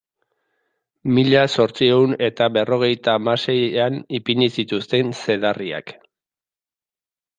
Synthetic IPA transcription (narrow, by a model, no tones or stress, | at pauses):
miʎaso̞ɾt͡sie̞une̞t̪aβe̞ro̞ɣe̞jt̪aːmase̞janipiɲisit̪ust̪e̞nse̞ðaria̰k